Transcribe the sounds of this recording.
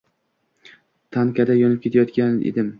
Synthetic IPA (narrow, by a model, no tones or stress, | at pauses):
t̪ʰankʲʰad̪ajɒnɪp̚kʲʰe̞t̪ʰajɒt̪kʲanḛd̪ɪm